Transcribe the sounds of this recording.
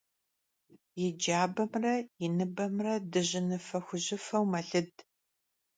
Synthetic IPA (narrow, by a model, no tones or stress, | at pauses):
jɪd͡ʒaːbɐmrɐjɪnɨbɐmrɐdɨʑɪnɨfɐxʷʊʑɪfɐwmɐɬɨd